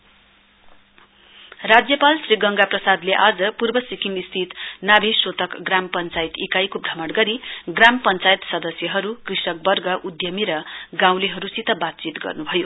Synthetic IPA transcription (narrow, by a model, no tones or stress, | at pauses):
rad͡zjʌpalsriɡʌŋɡaprʌsad̪leʔad͡zʌpurbʌsikimist̪ʰit̪nabʱisot̪ʌkɡrampʌnt͡sajt̪ikajkobʱɾʌmʌɽɡʌɾiɡrampʌnt͡sajit̪sʌd̪ʌsjʌɦʌɾukrisʌk̚bʌrɡʌʔud̪jʌmiɾʌɡãw̃leɦʌɾusit̪ʌbat̪̚t͡sit̪ɡʌ̰rnubʱʌjo